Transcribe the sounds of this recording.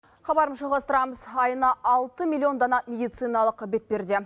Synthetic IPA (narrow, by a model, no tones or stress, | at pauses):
χɑbɑɾəmzʒoɑlˠʁɑst̪əɾɑməzɑjənɑʔɑlˠt̪əmʲilʲːˠio̞nd̪ɑnɑmʲe̞d̪ijt̪sɨjnɑlˠəqbe̞t̪̚pe̞ɾd̪e̞